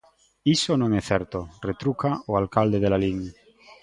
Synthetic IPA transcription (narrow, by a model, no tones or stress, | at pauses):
isonõŋeθeɾt̪oret̪ɾukaoalkald̪eð̞elaliŋ